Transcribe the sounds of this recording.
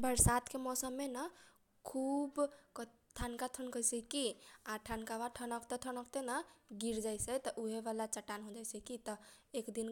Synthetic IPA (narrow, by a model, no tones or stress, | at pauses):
bəɾsat̪ʰkemɔsəmːenə | kʰubk | ʈʰankat̪ʰənkəsəkiaʈʰankabaʈʰənəkt̪et̪ʰənəkt̪enəɡiɾd͡ʒajsɛt̪ɔʔuɦebalat͡ʃəʈːanɦod͡ʒajsəkit̪ɔekd̪in